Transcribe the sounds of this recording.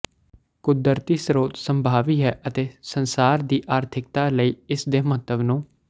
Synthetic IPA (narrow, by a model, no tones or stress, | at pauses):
kʊd̪əɾt̪iːsɾoːt̪səmbʱaːʋiːɦɛːʔət̪eːsənsaːɾd̪iːʔaːɾt̪ʰɪk̚t̪aːləiːɪsd̪eːməɦət̪ːəbnũː